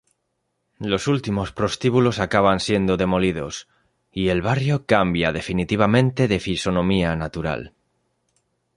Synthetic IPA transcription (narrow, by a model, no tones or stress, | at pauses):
lo̞sult̪imo̞spɾo̞st̪iβulo̞sakaβ̞ansje̞nd̪oðe̞mo̞lið̞o̞s | ie̞lβ̞arjo̞kambjaðe̞finit̪iβ̞amẽ̞nt̪e̞ðe̞fiso̞nõ̞mianat̪uɾa̰l